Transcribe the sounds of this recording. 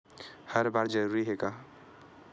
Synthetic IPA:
həɾbaɾd͡ʒəɾuɾiɦeka

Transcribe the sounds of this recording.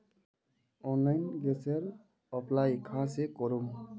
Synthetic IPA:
ɔnlajnɡɛseɾ | ɔplajkʰãsekɔɾum

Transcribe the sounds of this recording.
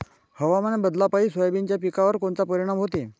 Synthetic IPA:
həʋamənebəd̪lapaiːsʋəjbiɲt͡ɕjapikaʋəɾkont͡sapəɾiɽ̃ãmɦot̪e

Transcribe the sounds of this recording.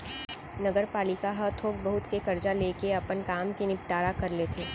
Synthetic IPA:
nɐɡəɾpaːlɪkaɦɐt̪ʰoːk̚bɐɦʊt̪kekɐɾd͡ʒaleːkeɐpənkaːmkinɪp̚ʈaːɾakɐɾlet̪ʰeː

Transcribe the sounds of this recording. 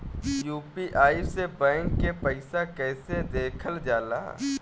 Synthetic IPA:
juːpiʔaːisebɛ̃ːŋkːepəɪsakɛːsed̪eːkʰəld͡ʒaːla̰ː

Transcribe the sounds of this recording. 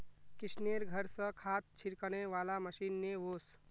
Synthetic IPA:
kɪsneɾɡʱəɾsəkʰaːt̪̚t͡ʃʰiɾkəɽ̃eʋaːlaməʃiːnːeʋoːs

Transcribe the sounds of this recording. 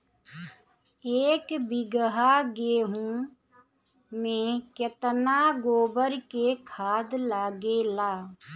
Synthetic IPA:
eːkbɪɡəɦaɡeːɦũ | mẽkjət̪naɡoːbəɾkekʰaːd̪laːɡelaː

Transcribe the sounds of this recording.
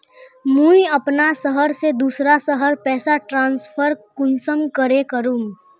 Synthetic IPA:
mũiɐpnasəɦəɾsed̪uːsɾasəɦəɾpɛːsaʈɾãːnspʰəɾkʊnsəmkəɾekəɾũːŋ

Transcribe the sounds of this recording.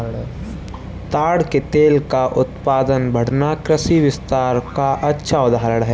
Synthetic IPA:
t̪aːɽket̪eːlkaʔʊt̪paːd̪ənbʱəɽ̤nakɾəsiʋɪst̪aːɾkaʔɐtːʃʰaʊd̪aɦəɾəɽɦɛː

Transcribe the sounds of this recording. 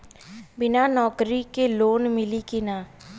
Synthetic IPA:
bɪnaːnɔːkɾiːkeːloːnmɪliːkɪnaː

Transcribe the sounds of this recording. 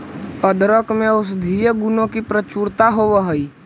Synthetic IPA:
əd̪ɾəkmẽʊsd̪ʱijəɡʊnõkipɾət͡ʃuːɾt̪aɦoːʋəɦəi

